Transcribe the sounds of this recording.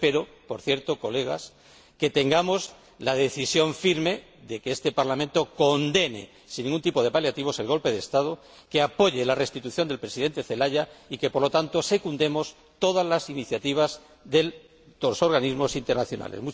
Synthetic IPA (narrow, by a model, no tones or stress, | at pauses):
pe̞ɾo̞ | po̞ɾθje̞ɾt̪o̞ko̞le̞ɣ̞a̰s | ke̞t̪e̞ŋɡamo̞z | lað̞e̞θisjo̞ɱfiɾme̞ | ðe̞keest̪e̞paɾlamẽnt̪o̞ko̞nd̪e̞ne̞̰ | sinːiŋɡunt̪ipo̞ð̞e̞paljat̪iβ̞o̞se̞lɣo̞lpe̞ð̞est̪aðo | ke̞apo̞ʝe̞lare̞st̪it̪uθjo̞nd̪e̞lpɾe̞siðe̞nt̪e̞θe̞laʎaike̞po̞ɾlo̞t̪ant̪ose̞kund̪e̞mo̞s | t̪o̞ðazlasiniθjat̪iβ̞az | ðe̞l | d̪oso̞ɾɣanizmo̞sint̪eɾnaθjo̞nʔa̰lezmu